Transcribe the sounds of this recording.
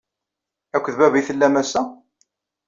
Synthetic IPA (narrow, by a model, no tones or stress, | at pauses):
ækʷːðbævijθəlːæmæsæ